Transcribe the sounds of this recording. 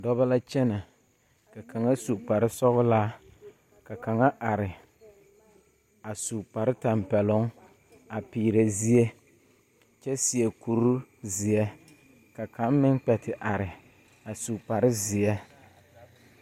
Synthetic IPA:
dɔ˦βa˦la˦t͡ʃɛ˦na˨ | ka˨kʰa˨ŋa˦su˨k͡pa˨ɾɪ˦sɔ˦ɣʊ˦laː˦ | ka˨ka˨ŋa˦ʔa˨ɾɪ˨ | a˨su˨k͡pa˨ɾɪ˦ta˨mpɛ˨lʊ˦ŋ | a˨piː˨ɾe˨zi˦e˦ | t͡ʃɛ˦sɪ˨ɛ˨ku˨ɾu˦zɪ˨ɛ˦ | ka˨ka˦mmɪ˦ŋk͡pɛ˨tʰɪ˨ʔa˨ɾɪ˨ | a˨su˨k͡pa˨ɾɪ˦zɪ˨ɛ˦

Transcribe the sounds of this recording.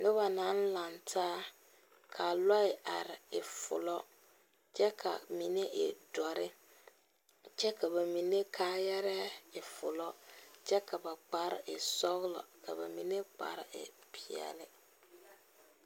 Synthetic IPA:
lɪ˦ba˨na˨˦n˦la˨ntʰaː˦ | kʰa˨lɔ˦ɪ˨ʔa˨ɾɪ˨ɪ˨fʊ̰˨lɔ˦ | t͡ʃɛ˦kʰa̰˨mi˨ne˦ʔɪ̰˨dɔ˨ɾɪ˦ | t͡ʃɛ˦ka˨βa˨mi˨ne˦kʰaː˦jɛ˦ɾɛ˦ɪ˨fʊ̰˨lɔ˦t͡ʃɛ˦ka˨ba˨k͡pa˨ɾɪ̰˦ʔɪ˨sɔ˦ɣlɔ̰˨ka̰˨ba̰˨mi˨ne˦k͡pa̰˨ɾɪ˨ɪ̰˨pi˨ɛ̰˨lɪ˦

